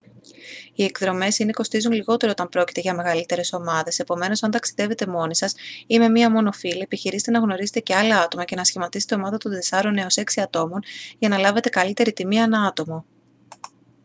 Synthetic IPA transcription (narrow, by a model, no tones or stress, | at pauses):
ie̞kðɾo̞me̞sineko̞st̪izunliɣo̞t̪e̞ɾoot̪ɐmpɾo̞ci̥t̪eʝɐme̞ɣɐlit̪e̞ɾe̞so̞mɐðe̞se̞po̞me̞no̞sɐnt̪ɐksiðe̞ve̞t̪e̞mo̞nisɐsime̞miɐmo̞no̞filiepiçiɾizet̪e̞nɐɣno̞ɾizet̪e̞ce̞ɐlɐɐt̪o̞mɐce̞nɐsçimɐt̪iset̪e̞o̞mɐðɐt̪one̞sɐɾo̞ne̞ose̞ksiɐt̪o̞mo̞nʝɐnɐlɐve̞t̪e̞kɐlit̪e̞ɾit̪imie̞nɐɐt̪o̞mo